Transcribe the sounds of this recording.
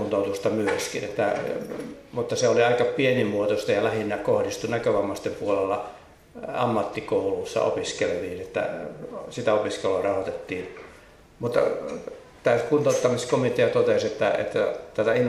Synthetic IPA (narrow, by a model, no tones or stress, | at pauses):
unt̪out̪ust̪ɑmyøskḭnḛt̪ːæ̰ | mut̪ːɑseoliɑikɑpienimuot̪ost̪ɑjɑlæhinːækohdist̪unækøʋɑmːɑst̪empuolelːɑ | ɑ̰mːɑt̪ːikoulusːɑ̰ʔo̰piskelʋiːnet̪ːæ̰sit̪æopiskeluoɑrɑhot̪et̪ːiːn | mut̪ːɑ̰ | t̪æskunt̪oˑut̪ːɑmiskomit̪eɑt̪ot̪eset̪ːæḛt̪ːæt̪æt̪æin